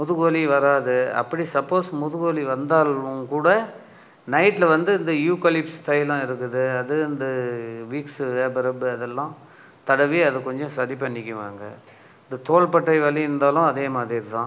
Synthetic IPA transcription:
mʊðɯɣɐːliʋɐɾaːðɯɐ̰pːɐɽisɐpːoːsmʊðɯɣɔliʋɐnd̪aːlʊ̃kuːɽɐ | nɐɪʈːlɐʋɐnd̪ɯɪnd̪ɐjuːkɐlɪpst̪ɐjlãːɪɾɯkːɯðɯɐðɯɪnd̪ɐʋiːksʋeːbɐɾɐbɯɐðɛlːãː | t̪ɐɽɐʋiɐðɯkɔɲd͡ʒɔ̃sɐɾip̬ːɐɳːɪkʲːɯʋa̰ːŋɡɐ | ɪnd̪ɯt̪oːɭpɐʈːɐɪʋɐɭiɪɾɯnd̪aːlʊ̃ɐðeːmaːðɾɪɾɯt̪ãː

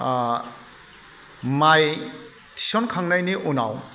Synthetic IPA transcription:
maj | tʰi̥sɔnkʰaŋnajniʔuna̰w

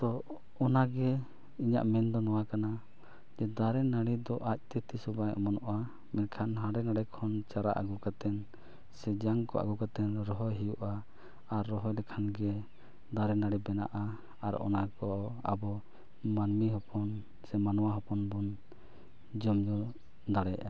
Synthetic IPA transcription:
t̪ɔ | ɔnaɡɛ | iɲa̰ʔmɛnd̪ɔnɔwakana | d͡ʒɛd̪aɾɛnaɽid̪ɔʔac̚t̪ɛt̪isɔbajʔɔ̰mɔnɔʔa | mɛnkʰanɦãɖɛnaɽɛkʰɔnt͡ʃaɾa̰ʔa̰ɡukat̪ɛn | sɛd͡ʒaŋkɔ̰ʔa̰ɡukat̪ɛnɾɔɦɔɦijuʔaː | ɾːɔɦɔjlɛkʰanɡɛ | d̪aɾɛnaɽibɛna̰ʔa | aɾɔ̰nakɔʔa̰bɔ | manmiɦɔpɔn | sɛmanɔwaɦɔpɔnbɔn | d͡ʒɔmd͡ʒu | d̪aɽɛjʔa

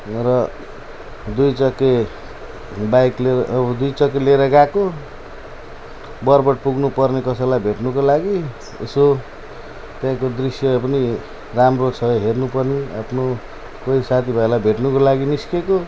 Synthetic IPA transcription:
rʌ | d̪ujt͡sʌkːe | bajklebʌd̪ujt͡sʌkːeleɾʌɡako | bʌrbʌʈ̚puɡnupʌrnekʌsʌlajbʱeʈnukolaɡi | ḛso | t̪jãkod̪risjʌpʌni | ramrosʰʌʌɦernupʌrnia̰pʰno | koisat̪ʰibʱʌjlajbʱeʈnukolaɡiniskeko

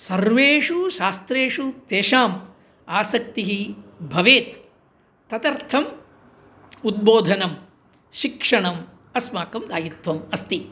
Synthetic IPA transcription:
sɐɾʋeːʂuʃaːst̪ɾeːʂut̪eːʃaːm | aːsɐk̚t̪iɦibʱɐʋeːt̪ː | ɐt̪ɐɾt̪ʰɐm | ud̪̚boːd̪ʱɐnɐm | ʃikʂɐɳɐm | ɐsmaːkɐmd̪aːjit̪ʋɐmɐst̪i

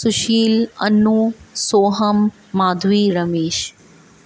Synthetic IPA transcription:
suʃiːlɐnːuːsoːɦɐmː | aːd̪ʱʋiːɾɐmeːʃ

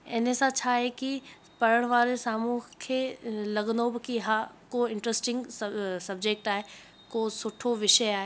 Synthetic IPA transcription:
ɪ̰nesãt͡ʃʰaɦeki | pɐɾəɽ̃ʋaːɾesaːmuːkʰelɐɡnobɪkiɦakoɪ̃ɳʈɾesʈɪ̃ŋɡsɐbd͡ʑek̚ʈaːɦe | koːsʊʈʰoʋɪʃəjaːɦe

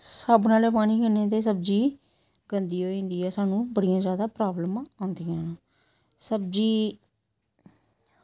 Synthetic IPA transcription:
səbnaːleːpaːniːkəneːt̪̬eːs̬əbd͡ʒiː | ɡənd̪iːɦoːĩːnd̪iːɛːsaːnũːbəɽijãːzjaːd̪aːpɾaːbləmaãːnd̪ɪjãːnː | səb̚d͡ʒiː

